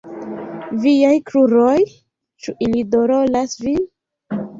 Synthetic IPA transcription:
viajkɾuɾoj | t͡ʃuʔilidoɾolasvi

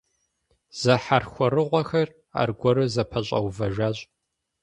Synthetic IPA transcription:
z̥ɐħarxʷɔɾɨʁʷɔxɐr | a̰ːrɡʷɔɾɨzɐpʰɐɕʼɐ̰wvɐʒaːɕʼ

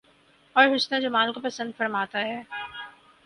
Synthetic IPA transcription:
ɔːɾɦʊʃnãd͡ʒomaːlkopɐsə̃nd̪fɐɾmaːt̪aɦɛː

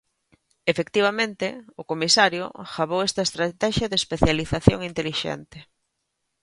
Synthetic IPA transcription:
efekt̪iβ̞amẽnt̪ɪʊkomisaɾjʊ̰xaβ̞owɛst̪ɐest̪ɾat̪ɛʃjɐðespeθjaliθaθjo̰ŋint̪eliʃɛ̰nt̪ɪ

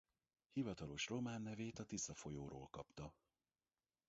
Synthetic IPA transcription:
hivɒt̪ɒlo̞ʃro̞maːnːɛveːt̪ɒt̪isɒfo̞joːɾo̰ːlkɒpt̪ɒ

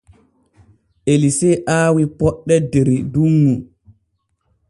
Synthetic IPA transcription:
ʔelisɛʔaːwipɔɗːɛdeɾiduŋːu

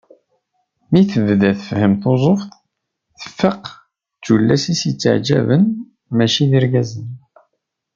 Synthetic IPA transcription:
miθəvðæθəfhəmθozˤofθ | θə̥fːəq | t͡sːulːæsisit͡sːə̰ʕd͡ʒæ̰vən | mæʃiðiɾɡæzən

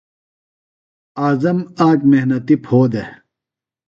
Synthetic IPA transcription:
aːzɐmaːkmehnɐt̪ipʰhoːd̪e

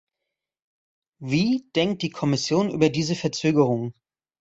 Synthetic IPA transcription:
viːd̥ɛŋk̚t̚d̥iːkʰɔmɪsjoːnʔyːbɐdiːzəfɛɐt͡søːɡəʁ̞ʊŋ

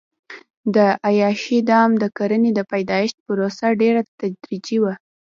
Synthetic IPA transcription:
d̪əʔajɑʃid̪ɑmd̪əkaɾəned̪əpajd̪ɑjɪʃt̪̚pəɾosaɖeɾat̪ad͡ʒɾid͡ʒiwa

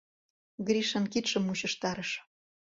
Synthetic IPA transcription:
ɡɾʲiʃɑnkit̪ʃɤ̆muɕə̆ʃt̪ɑɾəʃ

